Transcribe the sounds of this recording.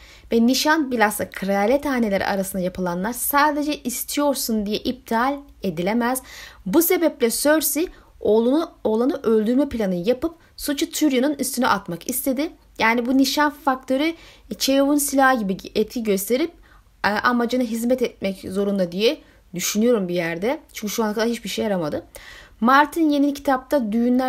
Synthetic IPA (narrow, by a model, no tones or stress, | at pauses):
vɛniʃanbiɾast̪ˠakʰɾaalʲɛt̪aːne̞lʲeɾḭʔa̰ɾasɯnd̪ajapʰɯlˠanlˠaɾsaːd̪e̞d͡ʒɛʔist̪ʰijo̞ɾsund̪ijɛʔib̚d̪ʰalʲ | e̞d̪ilʲemæz̥buse̞bɛplʲɛsøɾsi | oːlˠunolˠanɯʔø̞lʲd̪yɾmɛpilʲanɯjapɯp | sut͡ʃʰut̪ʰyɾjanɯnyst̪ʰyny̰ʔat̪makist̪ʰed̪ɪ | jaːnibuniʃanfak̚t̪ʰo̞ɾy | t͡ʃʰe̞jovunsilʲaɦɟibiet̪ʰiɟø̞st̪ʰe̞ɾip̚ː | ʔamad͡ʒanɯɦizmɛt̪ɛt̪̚mɛczo̞ɾund̪ad̪ijɛ | d̪yʃynyjo̞ɾumbijæɾd̪ɛt͡ʃʰynɲcyʃuanakad̪aɾhit͡ʃbiɾʃejaɾamad̪ɯmaɾt̪ʰinjenincʰi̥t̪ʰap̚t̪ʰad̪yjynlʲæ